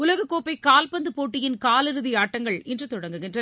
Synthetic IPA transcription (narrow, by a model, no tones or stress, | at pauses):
ʊlɐɣɐkːoːpɐɪkaːlpɐnd̪ɯpoːʈːɪjɪnkaːlɪɾɯðɪjaːʈːɐŋɡɐɭɛndrɯt̪ɔɽɐŋɡɯɣɪndrɐ